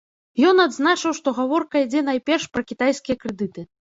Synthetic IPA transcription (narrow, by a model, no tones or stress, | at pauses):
jɔnad̪znat͡ʂɨwʂt̪ɔɣavɔrkɐid͡zʲɛn̪ajpʲɛrʂpɾɐkʲit̪ajskʲijɐkɾɛd̪ɨt̪ɨ